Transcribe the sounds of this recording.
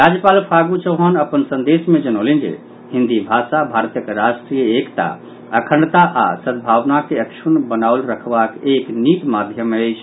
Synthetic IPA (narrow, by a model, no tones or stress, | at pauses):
ɾad͡ʒjəpalpʰaɡut͡ʃəwɦənəpənsənd̪esmed͡ʒənolind͡ʒḛ | hĩnd̪ibʱasabʱaɾt̪jəkɾasʈɾijəekt̪a̰ | əkʰəɳt̪aʔa̰səd̪̚bʱaʋnakeəkt͡ʃʰunbənaʊlɾəkʰbakeknit̪mad̪ʱjəmːeəɪt͡ʃʰ